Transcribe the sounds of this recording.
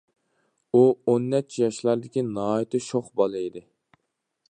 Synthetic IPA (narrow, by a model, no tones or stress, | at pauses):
uonːɛt͡ʃʰːjɑʃlˠɑɾd̪ɪkʲinɑɦɑːjit̪ʰɪʃoχbɑlˠɨid̪ɪ